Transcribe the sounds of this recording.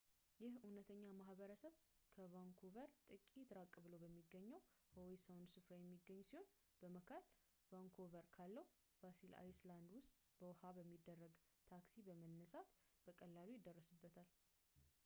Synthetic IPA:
jɪhunət̪ʰəɲːamahbəɾəsəβkʰəvaŋkʰovəɾt̪ʼɨkʼit̪ɾakʼːβɨləwbəmːiɡːəɲːəw | howisawnsɨfɾajɛmːiɡːəɲːsiho̞n | b̥əməkʰəl | vaŋkʰovəɾkʰalːəw | vasila̰jsland̪wʊst̪ʼ | bəwhabəmːid̪ːərːəɡt̪ʰaksibəmənːəsat̪b̥əkʼəlːalujɪd̪ːərːəsɨbːət̪ʰal

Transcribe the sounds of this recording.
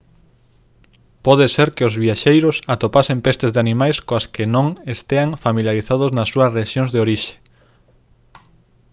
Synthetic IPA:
pɔðeseɾkɪozβiaʃejɾosat̪opasempest̪ɪzðeanĩmajskoɐskɪnõŋest̪eaŋfamiljaɾiθað̞oznɐsːuɐsreʃjoŋzðeoɾiʃe̥

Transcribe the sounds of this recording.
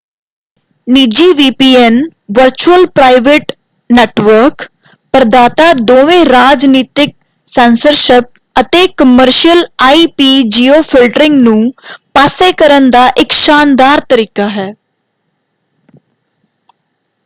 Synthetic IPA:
niːd͡ʒiːʋiːpiːɛnʋəɾt͡ʃuəlpɾaːɪʋeʈ | neːʈʋəɾk | pəɾd̪aːt̪aːd̪oːʋẽːɾaːd͡ʒniːt̪ɪk̚ | sɛːnsəɾʃɪp̚ | ət̪eːkəməɾʃijəlaːiːpiːd͡ʒiːoːpʰɪlʈɾɪ̃ŋɡnũːpaːseːkəɾənd̪aːʔɪkʃaːnd̪aːɾt̪əɾiːkaːɦɛː

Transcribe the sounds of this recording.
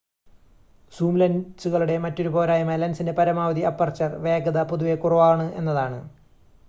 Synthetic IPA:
suːmlɐnsuɣɐɭuɽe̞mɐtːo̞ɾubo̞ːɾaːjɐmɐlɐnsindepɐɾɐmaːʋɐðiɐpːɐrt͡ɕːɐrʋe̞ːɡɐðɐpoðuʋe̞kuruʋaːɳɨʔe̞̰nːɐðaːɳɨ

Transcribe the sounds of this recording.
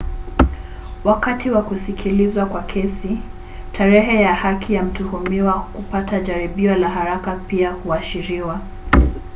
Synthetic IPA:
wakatiwakusikʰilizwakwakʰɛsi | tʰaɾɛɦɛjahakʰijam̩tuhumiwakupataʄaɾiɓiɔlaɦaɾakapiahuaʃiɾiwa

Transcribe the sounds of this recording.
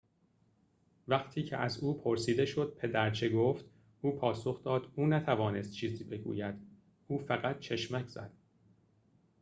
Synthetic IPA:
væqt̪ʰiːcʰḛʔæzuːpʰoɾsiːd̪e̞ʃo̞d̪̥̚pʰe̞d̪æɾt͡ʃʰe̞ɡoːft̪ | uːpʰɒːsoxd̪ɒːd̪̥uːnæt̪ʰævɒːne̞st̪̚t͡ʃʰiːziːbe̞ɡṵːjæd̪̥ | uːfæɣæt̪̚t͡ʃʰeʃmæcʰz̥æ̰d̪̥̚

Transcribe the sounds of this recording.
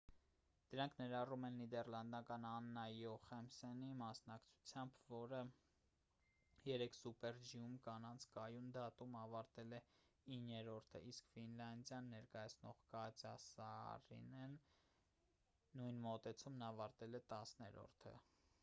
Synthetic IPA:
d̪̥əɾɑŋkʰnɛɾɑrumɛnːid̪ɛrlɑnd̪ɑkɑnɑnːɑjɔχɛmsɛnimɑsnɑkt͡sʰu̥t͡sʰjɑmbvɔɾə | jɛɾɛkʰsupɛɾd͡ʒiumkɑnɑnt͡sʰkɑjund̪ɑt̪umɑvɑɾt̪ɛlɛinːɛɾɔɾt̪ʰə̰iskfinlɑnd̪jɑnːɛɾkɑjɑt͡sʰnɔ̰ʁkɑt͡sɑsɑ̰rḭnɛn | ujnmɔt̪ɛt͡sʰumnɑvɑɾt̪ɛlɛt̪ɑsnɛɾɔ̰ɾt̪ʰə̰

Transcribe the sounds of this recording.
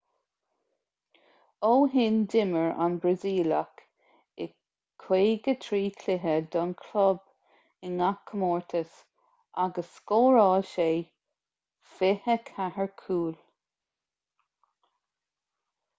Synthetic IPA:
oːɦɪndɪməɹʔa̰nbɹaziːlak | ɪ | kʰweːɡət̪ʰɾiːkʰlɪɦəd̪ɔnkʰlɔb | ɪnakʰːəmɔːɹt̪ʰəs | aɡəsːkoːɹɑːʃeː | fɪhəkʰahəɹkʰuːl

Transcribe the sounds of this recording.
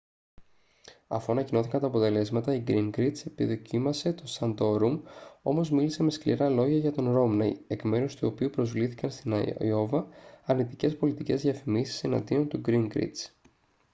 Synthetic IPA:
ɐ̰foɐnɐcino̞θikɐnt̪ɐːpo̞t̪e̞le̞zmɐt̪ɐiɡɾiŋɡɾit̪sepiðo̞cimɐse̞t̪o̞sɐnd̪o̞ɾumo̞̰mo̞zmilise̞me̞sklḭɾɐlo̞ʝɐʝɐt̪o̞nɾo̞mnɐie̞kme̞ɾust̪uo̞piupɾo̞zvliθi̥kɐnst̪inɐ̰jo̞vɐːɾnit̪ice̞spo̞lit̪ice̞zðiɐfimisi̥se̞nɐ̰nd̪io̞nt̪uɡɾiŋɡɾḭt͡s

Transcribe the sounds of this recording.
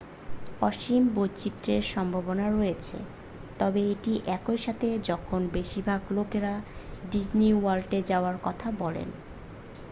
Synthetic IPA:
pɔʃimbot͡ɕit̪ːɾeɾʃɔmbʱabonaɾɔjet͡ɕʰḛ | t̪ɔbeeʈiʔɛkojʃat̪ʰed͡ʑɔkʰonbeʃiɾbʱaɡlokeɾaɖid͡ʑniwalʈed͡ʑaoaɾkɔt̪ʰabɔlḛn

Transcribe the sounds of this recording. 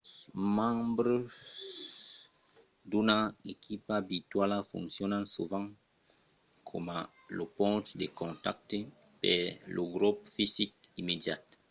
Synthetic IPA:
mãbɾə | d̪unaekʰipabit̪walafṵ̃ŋksjɔnãsuvãŋ | kʰɔmã | lopɔ̃nt̪d̪ekɔ̃nt̪a̰k̚t̪e | pɛ̰lʔoɡɾupfizik̚imedja̰t̪

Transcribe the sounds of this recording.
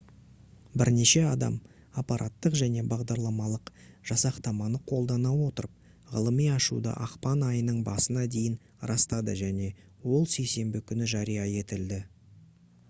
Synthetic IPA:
bɪɾne̞ʃe̞ɑd̪ɑ̰m | ɑpɑɾʔɑt̪ːəqʒæne̞bɑʁd̪ɑɾlˠɑmɑlˠəqʒ̥ɑsɑqt̪ɑmɑnəqʰo̞lˠd̪ɑnɑwo̞t̪əɾəp̚ | ʁə̰lˠəmijɑʃṵd̪ə̰ʔɑqpɑnɑjənəɴbɑsənɑd̪e̞jɪn | ɾɑst̪ɑd̪ə̰ʒæne̞ | wo̞lˠse̞jse̞mbɪkʲʰʏnɪʒɑɾijɑe̞t̪ɪld̪ɪ

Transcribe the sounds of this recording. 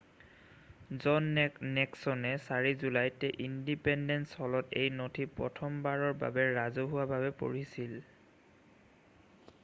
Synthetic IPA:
zɔnnɛksɔnɛsaɹizulajtɛʔindipɛndɛnshɔlɔtḛjnotʰipɹɔ̰tʰɔmbaɹɔɹba̰bɛɹazoɦuwabʱabɛpo̰ɹisil

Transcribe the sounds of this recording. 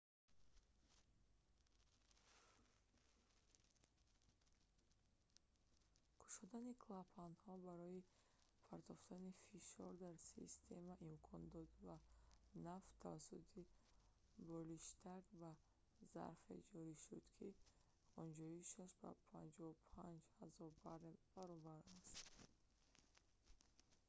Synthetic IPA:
kʰu̥ʃɔd̪anikʰlapʰanhɔbaɾɔi | pʰaɾt̪ʰɔft̪anifiʃɔɾd̪aɾsḭst̪ʰe̞maʔimkʰɔnd̪ɔd̪vanaft̪ʰavasut̪ʰi | bɔliʃt̪ʰaɡba | za̰ɾfḛd͡ʒɔɾiʃud̪̥kʰi | ɔnd͡ʒɔiʃaʃba̰pʰand͡ʒɔupʰand͡ʒhazɔɾbaɾb̥aɾɔbaɾast̪

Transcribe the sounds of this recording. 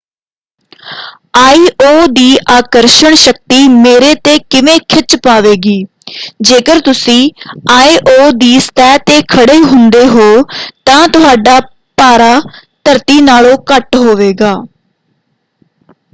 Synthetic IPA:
aːiːʔoːd̪iːʔaːkəɾʃəɳʃək̚t̪iːmeːɾeːt̪eːkɪʋẽːkʰɪt͡ʃpaːʋeːɡiː | d͡ʒeːkəɾt̪ʊsĩːaːiːʔoːd̪iːst̪ɛːt̪eːkʰəɽeːɦʊnd̪eːɦoːt̪ãːt̪ʊɦaːɖaː | paːɾaːt̪əɾt̪iːnaːlõːkəʈɦoːʋeːɡaː

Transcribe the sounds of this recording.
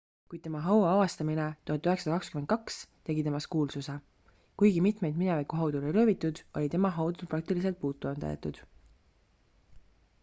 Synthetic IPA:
kujd̪̥̚t̪e̞mɑɦɑwɑɑvɑst̪ɑminet̪uhɑt̪ːˑyɦeksɑd̪ɑkɑkskyment̪̚kɑkst̪e̞ɡit̪e̞mɑskuːlsuse | kujɡimit̪me̞jd̪minevɑjkuɦɑwd̪ulojɾøːvit̪ːˑud̪̥olʲit̪e̞mɑɦɑwd̪ulprɾɑk̚t̪ilis̬e̞lt̪̚puːt̪ːˑond̪ɑ̰jḛt̪ːˑud̪̥

